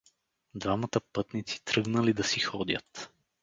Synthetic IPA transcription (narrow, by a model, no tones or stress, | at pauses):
d̪vamɐt̪əpɤt̪nit̪si̥t̪ɾɤɡnəlid̪ɐsixɔd̪ʲjə̰t̪